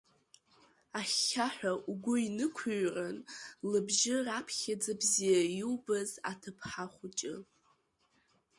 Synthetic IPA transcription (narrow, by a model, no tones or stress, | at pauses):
aχːaħʷᶣaʔuɡʷʊinɨkʷʰɨɥranlɨbʒɪrapʰχʲad͡zabzijajiwbaza̰tʰɨpʰħaχʷʊt͡ʃʼɪ̰